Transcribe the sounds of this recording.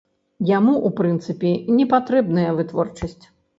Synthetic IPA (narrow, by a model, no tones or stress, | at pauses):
jamuʔupɾɨnt̪sɨpʲɛnʲɛpat̪ɾɛbnɐjɐvɨt̪vɔ̰rt͡ʂɐsʲt͡sʲ